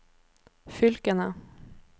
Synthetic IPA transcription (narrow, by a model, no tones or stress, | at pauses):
fʏlkənə